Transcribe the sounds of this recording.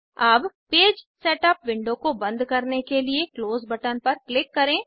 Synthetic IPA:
aːbpeːd͡ʒseːʈəpʋɪ̃ɳɖõkobɐ̃nd̪kɐɾnekeliekloːzbɐʈənpɐɾklɪkːɐɾẽː

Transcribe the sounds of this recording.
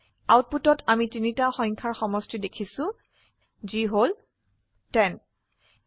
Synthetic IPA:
awt̚putɔtʰamitinitaxɔjŋkʰaɹxɔmɔstidekʰisʊ̃ | ziɦol | tɛn

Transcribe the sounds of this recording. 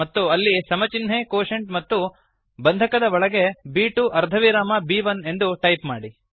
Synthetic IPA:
ɐt̪ːuɐlːisɐmɐt͡ʃinɦekoːʂɐɳʈ̚mɐt̪ːu | bɐnd̪ʱɐkɐd̪ɐɔɭɐɡe̞biːʈuʔɐɾd̪ʱɐʋiɾaːmɐbiːʋɐne̞nd̪uʈɐjpmaːɽi

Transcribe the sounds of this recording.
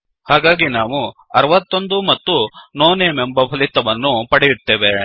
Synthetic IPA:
haːɡaːɡinaːʋu | ɐɾɐʋɐt̪ːo̞nd̪umɐt̪ːunoːnemembɐpʰɐlit̪ːɐʋɐnːupɐɽejut̪ːe̞ːʋe

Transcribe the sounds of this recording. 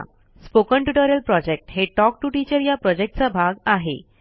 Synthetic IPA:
spokəɳʈuʈəɾəlpɾɔd͡ʑek̚ʈɦeʈɔk̚ʈuʈit͡ɕəɾjapɾɔd͡ʑek̚ʈ̚t͡sabʱaɡaɦḛ

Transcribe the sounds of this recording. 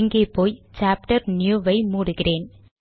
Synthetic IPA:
ŋɡeːpoːjt͡ʃaːp̚ʈɐɾnjuːʋɐɪmuːɽɯɣɪreːn

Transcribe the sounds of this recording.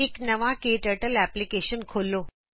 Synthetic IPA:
eknəʋãkeʈəʈəlæplikeɕənkʰolːo

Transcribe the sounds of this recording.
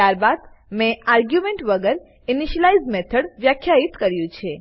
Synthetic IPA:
t̪jaɾbad̪mẽaɾɡjumẽɳʈʋəɡəɾ | iniʃəlaizmet̪ʰəɽʋjakʰjait̪kəɾjũt͡ʃʰe

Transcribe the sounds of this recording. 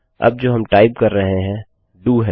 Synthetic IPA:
ɐ̰b̚d͡ʒoːɦɐmʈaːɪpkɐɾːɐɦeɦɛ̃ː | ɖuːɦɛ

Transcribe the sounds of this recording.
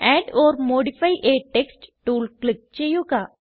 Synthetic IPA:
ɛːɖɔːɾmoːɖipʰaːiʔeːʈeːksʈʈuːlklɪk̚t͡ʃeːjokaː

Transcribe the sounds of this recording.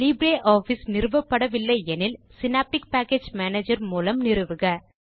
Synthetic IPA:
liːbɾeːʔaːfisnɪrɯʋɐpːɐɽɐʋɪlːɐɪɛnɪlsɪnaːp̚ʈɪk̚paːkeːd͡ʒmaːneːd͡ʒɐɾmuːlɐmnɪɾɯʋɯɣɐ

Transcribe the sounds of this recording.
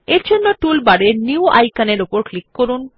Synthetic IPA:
eɾd͡ʑʱonːoʈulbaɽeniua̰jkaneɾopoɾklikːkoɾun

